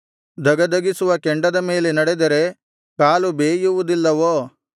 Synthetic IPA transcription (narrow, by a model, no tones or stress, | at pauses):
d̪ʱɐɡɐd̪ɐɡisuʋɐkeɳɖɐd̪ɐme̞ːlenɐɽed̪ɐɾe̞ | kaːlubeːjuʋud̪ilːɐʋoː